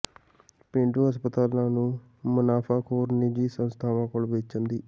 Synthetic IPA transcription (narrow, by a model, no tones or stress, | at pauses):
pɪ̃ɳɖũːɦəspət̪aːlãːnũː | mʊnaːpʰaːkoːɾnɪd͡ʒiːsənst̪ʰaːʋãːkoːlbeːt͡ʃənd̪iː